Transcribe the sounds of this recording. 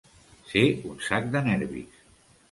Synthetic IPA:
seunsak̚d̪ənɛɾβḭs

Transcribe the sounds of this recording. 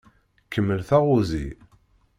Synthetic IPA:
kːəmːəlθæʁuzḭ

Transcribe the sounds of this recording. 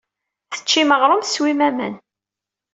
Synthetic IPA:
θə̥t͡ʃːiməʁɾˤomθswimæmən

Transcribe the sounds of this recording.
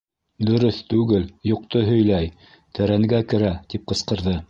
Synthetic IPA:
d̪ɵ̆ɾɵθt̪ʉɡɘljuq̚t̪oɦɵ̆jlæj | t̪ɘ̆ɾæŋɡækɘ̆ɾæt̪ip̚qɤ̆sqɤ̆ɾðɤ

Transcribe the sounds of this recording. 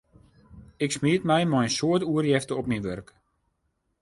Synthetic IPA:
ɪksmiətmɛjmɔjənsoətuərjɛftəɔpminʋørk

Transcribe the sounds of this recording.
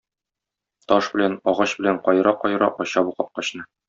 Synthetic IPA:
t̪ɒʃbɘ̆lænɒʁɑɕbɘ̆læɴqɒjɾɑqɒjɾɑʔɒɕɑbuqɤp̚qɒɕnɤ

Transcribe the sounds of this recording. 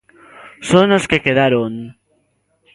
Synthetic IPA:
sonoskekeðaɾoŋ

